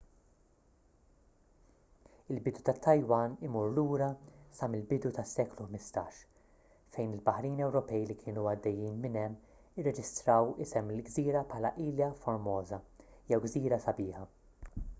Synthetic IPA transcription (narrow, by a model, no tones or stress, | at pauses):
ɪlbɪd̪ut̪ɐt̪ʰːɐjwɐnɪmuɾluːɾɐsɐmɪlbɪd̪ut̪ɐsːɛːkluħmɪst̪ɐːʃ | fɛjnɪlbɐħɾiːnɛwɾɔpɛjlikʰɪːnuɐd̪ːɛjːiːnmɪnɛmː | ɪrːɛd͡ʒɪst̪ɾɐwɪsɛmːɪlɡziːɾɐpħɐːlɐ̰ʔiːljɐfɔɾmɔːzɐjɛwɡziːɾɐsɐbɪːħɐ